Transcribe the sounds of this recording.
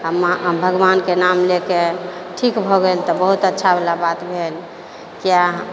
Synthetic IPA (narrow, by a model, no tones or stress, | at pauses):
ɦəmabʱəɡʋankenamlekeʈʰikbʱɔɡelt̪ɔbəɦut̪ətːʃʰabelabat̪bʱel | kia